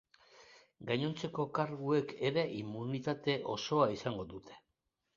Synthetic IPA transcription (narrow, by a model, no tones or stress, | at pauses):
ɡaɲo̞nt͡se̞ko̞kaɾɣue̞kʰe̞ɾe̞ʔimːunit̪at̪e̞ʔo̞so̞aisaŋɡo̞d̪ut̪ʰe̞̥